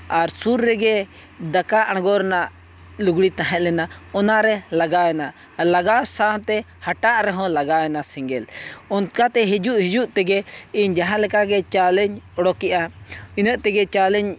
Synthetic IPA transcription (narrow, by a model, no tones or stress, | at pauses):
aɾsuɾːɛɡɛ | d̪akaʔaɽ̃ɡɔɾnaʔ | luɡɽit̪aɦɛt̪̚lɛnaɔnaɾɛlaɡaɛna | laɡasant̪ɛ | haʈaʔɾɛɦɔ̃laɡaɛnasiŋɡɛlɔnkat̪ɛɦid͡ʒuʔhid͡ʒuʔt̪ɛɡɛiɲd͡ʒaɦãlɛkaɡɛt͡ʃalɛɲɔɽɔkɛʔainəʔt̪ɛɡɛt͡ʃalɛɲ